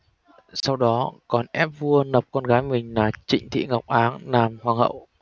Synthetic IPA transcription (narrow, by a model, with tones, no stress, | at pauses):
sa˧wɗɔ˨˦kɔ˨˩nʔɛ˦˥p̚vu˧ənə˨˩p̚kɔ˧nɣaː˨˦jmï˨˩ŋ̟laː˨˩t͡ɕï˧˨ŋ̟t̪ʰḭ˧˨ŋɔ˨˩wk͡p̚ʔaː˨˦nnaː˨˩mhwaː˨˩ŋhə̰˧˨w